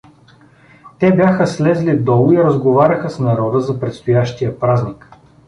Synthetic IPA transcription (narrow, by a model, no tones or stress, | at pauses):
t̪ɛbʲjaxəslɛzlid̪ɔlˠʊiɾɐzɡovaɾʲɐxəsnɐɾɔd̪əzɐpɾɛt̪st̪ʊjaʃt̪ijəpɾaznik